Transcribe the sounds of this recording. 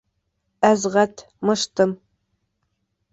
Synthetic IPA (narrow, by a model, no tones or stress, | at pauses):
æzʁɐtʰ | mɨʂt̪ʰɨm